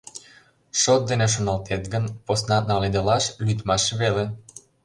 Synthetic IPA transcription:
ʃot̪̚d̪eneʃ̬onɑlt̪ʰet̪ɡənposnɑnɑled̪elɑʃlyt̪mɑʃβele

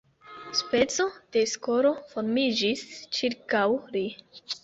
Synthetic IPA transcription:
spe̞t͡so̞d̪̥e̞sko̞ɾo̞fo̞ɾmid͡ʒist͡ʃiɾkawɾi

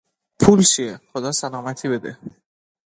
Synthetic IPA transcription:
pʰuːlt͡ʃʰieχod̪ɒːsælɒːmæt̪ʰiːbe̞d̪ḛ

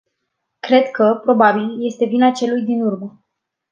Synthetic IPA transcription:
kɾe̞d̪kʰəpɾo̞babilje̞st̪e̞vinat͡ʃe̞lujd̪inurmə

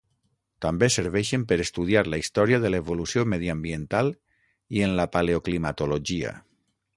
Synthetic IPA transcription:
t̪ambeseɾβ̞ɛʃempeɾest̪uð̞iaɾlaist̪ɔɾiaðelaeβolusjomeð̞iambient̪al | ienlapaleoklimat̪oloʒia̰

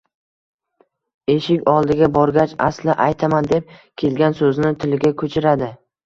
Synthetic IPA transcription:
eʃɪkʲɒlˠd̪ɪɡʲabɒɾɡʲat͡ʃa̰slɪʔajt̪ʰamand̪e̞p̚kʲʰe̞lɡʲansɵznɪt̪ʰɪlɪɡʲakʲʰɵt͡ʃʰɪɾad̪ɪ

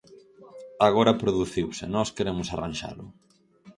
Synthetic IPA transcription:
aɣoɾɐpɾoðuθiwsɪnɔskeɾemʊsarãnʲʃa̰lʊ

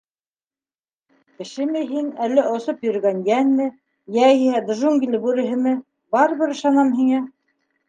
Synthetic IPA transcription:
kɘ̆ʃɘmɘɦinælːɘʔŏsopjɵ̆ɾɡænjænːɘ | jæihæd̪ʒuŋɡʲilɘbuɾɘ̆ɦɘ̆mɘ | bɑɾɤ̆βɘɾɤ̆ʃɑnɑmɦiŋæ

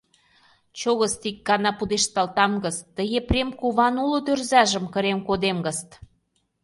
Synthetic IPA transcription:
t͡ɕoɣəst̪ik̚ːɑnɑpud̪eʃt̪ɑlt̪ɑmɡə̆st̪ːəɣeprʲemkuβɑnulŏd̪ørzæʒə̆mkə̆ɾemkod̪emɡə̆st̪

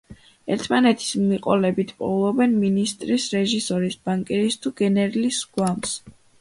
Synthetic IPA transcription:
ɛɾt̪ʰmanɛt̪ʰi̥smmiqʼɔlɛbit̪ʰpʼɔ̰lˠɔbɛnminist̪ʼɾisɾɛʒisɔɾisbaŋkʼɛɾist̪ʰuɡɛnɛɾilisɡ̥wams

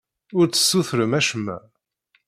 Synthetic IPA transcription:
ʊɾt͡sːə̥sːuθɾəmæʃəmːæ̰

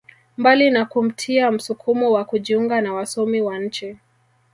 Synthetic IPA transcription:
mbalinakum̩tʰiam̩sukʰumɔwakuʄiuŋɡanawasɔmiwaɲ̩t͡ʃɛ

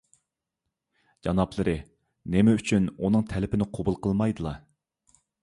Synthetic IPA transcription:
d͡ʒɑnɑplˠəɾɨ | nɪmɪyt͡ʃʰynunɨŋt̪ʰɛlɪpʰɪnɪqʰobulˠqʰəlˠmɑjd̪ɨlˠɑ

